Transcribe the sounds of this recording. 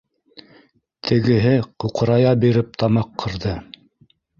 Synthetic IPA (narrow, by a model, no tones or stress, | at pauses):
t̪ʰɘ̆ɡɘ̆ɦɘquqɤ̆ɾɑjɑbiɾɘp̚t̪ɑmɑqʰːɤ̆ɾðɤ